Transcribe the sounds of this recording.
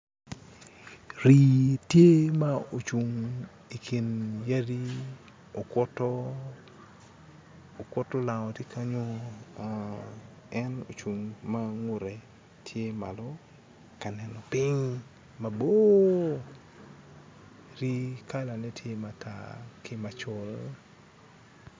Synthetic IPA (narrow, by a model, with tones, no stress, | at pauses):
ɾi˨tje˦ma˦o˨t͡ʃu˨ŋ | i˨kʰi˨nja˦di˦ | o˨kɔ˦tɔ˦ | o˨kʷɔ˦tːɔ˦la˨ŋɔ˨ti˦kʰa˦ɲo˦ | ɛ˦no̰˨t͡ʃu˨ŋma˦ŋʊ˨ɾɛ˨ | tʰje˦ma̰˨lɔ | ka˨nɛ˨nɔ˨pɪ˦ɲ | ma˨bo˦ | ɾi˦ka˦la˨nɛ˦tʰje˦ma˨tʰa̰˨kɪ˦ma˨t͡ʃʊ˨l